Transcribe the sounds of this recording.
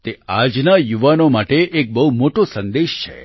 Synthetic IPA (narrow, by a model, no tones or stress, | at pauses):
t̪ead͡ʒnajuʋanomaʈeʔek̚bəɦumoʈosə̃nd̪eʃt͡ʃʰḛ